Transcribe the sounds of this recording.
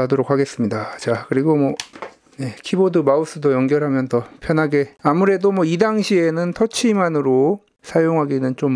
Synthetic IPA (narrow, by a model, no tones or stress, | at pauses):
adoɾokʰaɡe̞s͈ɯmɲidat͡ɕakɯɾiɡomwʌ | ne̞kʰibodɯmaus͈ɯdojʌŋɡjʌɾɦamjʌntʰʌpʰjʌnɦaɡe̞amuɾe̞domwʌidaŋɕʰie̞nɯntʰʌt͡ɕʰimanɯɾo | sʰajoŋɦaɡinɯnt͡ɕom